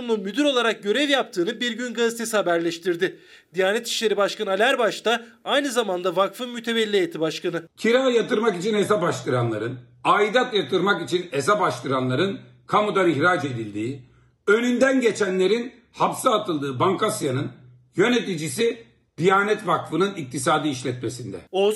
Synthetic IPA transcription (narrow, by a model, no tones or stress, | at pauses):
mlˠunmyd̪yɾo̞lˠaɾak̚ɟø̞ɾɛvjap̚t̪ʰɯːnɯbiɾɟynɡazit̪ʰe̞sihabæɾlʲɛʃt̪ʰiɾd̪ɪ | d̪̥ijaːnɛt̪i̥ʃlʲe̞ɾibaʃkʰanalʲæɾbaʃt̪aajnɯzamand̪avakfɯnmyt̪ʰe̞bɛlʲːejet̪ʰibaʃkʰanɯcʰiɾaːjat̪ɯɾmakit͡ʃʰinesabaʃlˠɯɾanlˠa̰ɾɯn | aːid̪at̪jat̪ʰɯɾmakit͡ʃʰinesabaʃlˠɯɾanlˠaɾɯn | kʰamud̪aniçɾad͡ʒe̞d̪ilʲd̪iː | ø̞nynd̪ænɟe̞t͡ʃʰænlʲe̞ɾin | hapsaːt̪ʰɯlˠd̪ɯːbaŋkasjanɯn | jø̞ne̞t̪id͡ʒisi | d̪̥ijaːnɛt̪vakfɯnɯnik̚t̪ʰisaːd̪iːʃlʲɛt̪me̞sind̪ɛ̰o